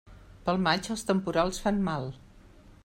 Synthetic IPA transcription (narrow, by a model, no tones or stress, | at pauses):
pəlˠmad͡ʒəlˠst̪əmpuɾalˠsfanmalˠ